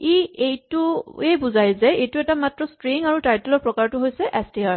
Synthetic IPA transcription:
iejtʊebuzajzɛejtʊɛtamatɹɔstɹiŋaɹutajtʊlɔɹpɹɔkaɹtʊɦojsɛʔɛstiaɹ

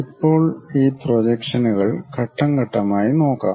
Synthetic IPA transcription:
ipːo̞ːɭiːprod͡ʑekʂɐnuɣɐɭkɐʈːɐŋɡɐʈːɐmaːjino̞ːkːa̰ː

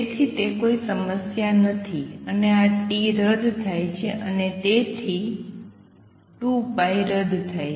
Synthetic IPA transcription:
t̪ʰit̪ekoisəməsjanət̪ʰiəneaʈiɾəd̪ʱt̪ʰajt͡ʃʰeʔənet̪et̪ʰi | ʈũpaiɾəd̪ʱt̪ʰaj

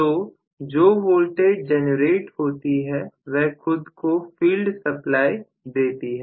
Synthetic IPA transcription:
t̪oː | d͡ʒoːʋoːlʈeːɖ̚d͡ʒɛːnəɾeːʈhoːt̪iɦɛʋɛɦxʊd̪kofiːlɖsɐplaːi | d̪eːt̪iɦɛː

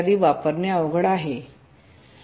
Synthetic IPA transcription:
d̪iːʋapəɾneaʋəɡɽaɦe

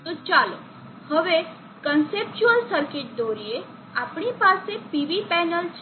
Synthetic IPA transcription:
t̪ot͡ʃalo | həʋe | kənsep̚t͡ɕuəlsəɾkeʈ̚d̪oːɾie | apɳ̃ipasepiʋipɛnəlt͡ɕ

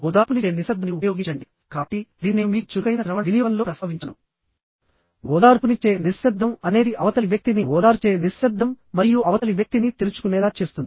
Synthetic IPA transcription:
ɔd̪aːɾpunit͡ʃeːniʃɐd̪ʱːɐniupɐjo̞ːɡit͡ʃɐɳɖi | kaːʈid̪iːnimʋit͡ʃuɡɐjnɐɾɐʋɐʋinijʋɐnlo̞ːɾɐsɐʋiɲt͡ʃɐnɐ̰m | ɔːd̪aːɾpunit͡ʃeːnisʃɐd̪ʱːɐmɐne̞ːd̪iʔɐʋɐt̪ɐliʋjɐk̚t̪iniɔːd̪aːɾt͡ʃeːnisʃɐd̪ʱːɐmːɐɾijuɐʋɐt̪ɐliʋjɐk̚t̪init̪ilut͡ʃu̥kunɛːlaːt͡ʃe̞ːst̪und̪i

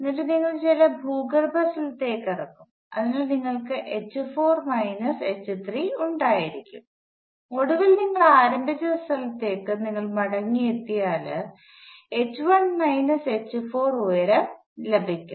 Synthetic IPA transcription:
nːɐlɨniŋːɐɭt͡ɕilɐbʱuːɡɐrbɐsɐlɐt̪ːe̞ːkːɐrɐk̪ːum | ɐ̰ðinaɭniŋːɐɭkɨʔet͡ɕːɨfo̞ːrmɐjnɐse̞t͡ɕːɨt̪ʰriuɳɖaːjiɾikʲːṵm | o̞ɽuʋilniŋːɐɭaːɾɐmbʱit͡ɕːɐst̪ɐlɐt̪ːe̞ːkːɨniŋːɐɭmɐɽɐŋːijet̪ːijaːlɨ | et͡ɕːʋɐnmɐjnɐse̞t͡ɕːɨfo̞ːrojɐɾe | lebʱikʲːum

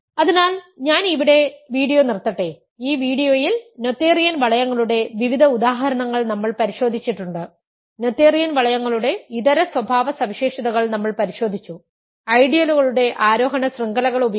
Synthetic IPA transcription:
ɐðinaːlɲaːniʋiɽe̞ʋiːɽijo̞ːnirt̪ːɐʈːe | iːʋiːɽijo̞ːjilno̞t̪ːeːrijɐnʋɐɭɐjɐŋːɐɭuɽe̞ʋiʋid̪ʱɐud̪aːɦɐɾɐɳɐŋːɐɭnɐmːɐɭpɐɾiɕo̞ːd̪ʱit͡ɕːiʈːuɳɖɨ | no̞t̪ːeːrijɐnʋɐɭɐjɐŋːɐɭuɽe̞iðɐɾɐswɐbʱaːʋɐsɐmiɕeːʂɐðɐɣɐɭnɐmːɐɭpɐɾiɕo̞ːd̪ʱit͡ɕːu | ɐjɖijɐluɣɐɭuɽe̞ʔaːɾo̞ːɦɐɳɐsriŋɡɐlɐɣɐɭubɐ

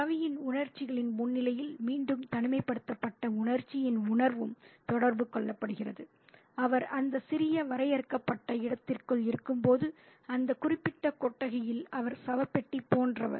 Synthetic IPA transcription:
sɐʋɐjɪnʊɳɐɾt͡ʃːɪɣɐɭɪnmʊnːɪlɐjɪlmiːɳɖɯmt̪ɐɳɯmɐɪpːɐɽɯt̪ːɐpːɐʈːɐʊɳɐɾt͡ʃːɪjɪnʊɳɐɾʋɯmt̪ɔɽɐɾbɯkɔɭːɐpːɐɽɯɣɪrɐðɯ | ɐʋɐɾɐnd̪ɐsɪɾɪjɐʋɐɾɐɪjɐɾɯkːɐpːɐʈːɐɪɽɐt̪ːɪrkɯɭɪɾɯkːɯmpoːðɯ | ɐnd̪ɐkʊrɪpːɪʈːɐkɔʈːɐɣɐjɪlɐʋɐɾsɐʋɐpːɛʈːipːoːndrɐʋɐ̰ɾ

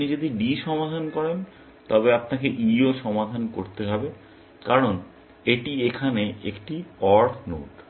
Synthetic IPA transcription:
nid͡ʑod̪iɖiʃɔmad̪ʱankɔɾen | t̪ɔbeapnakeʔioʃɔmad̪ʱanko̰ɾt̪eɦɔbe | kaɾon | eʈiekʰaneḛkʈiɔɾʰno̰ʈ

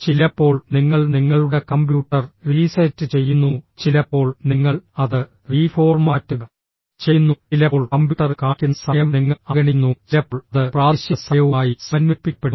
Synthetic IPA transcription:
t͡ɕilɐpːo̞ːɭniŋːɐɭniŋːɐɭuɽe̞kɐmbjuːʈːɐrriːsɐtːɨt͡ɕe̞jːunːut͡ɕilɐpːo̞ːɭniŋːɐɭɐðɨ | riːfo̞ːrmaːtːuɣɐ | t͡ɕejnːuilɐoːɭkɐmbjuʈːɐrɨkaːkːunːsɐjɐmniŋːɐɐɡɐɳinːuilɐpːoɭɐðɨpraːiɕjɐsɐjɐʋumaːjisɐnmipːipːeɽ

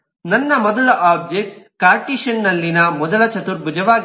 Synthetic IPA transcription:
nɐnːɐmɔd̪ɐlɐʔaːb̚d͡ʒek̚ | kaːɾʈiʃɐnːɐlːinɐmɔd̪ɐlɐt͡ʃɐt̪uɾbud͡ʒɐʋaː

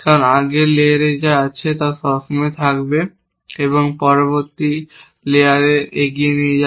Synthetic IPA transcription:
kanaɡeleɾed͡ʑaat͡ɕʰet̪asɔsomet̪ʰakbe | eβoŋpɔɾoboɾt̪i | leaɾeeɡienijed͡ʑa

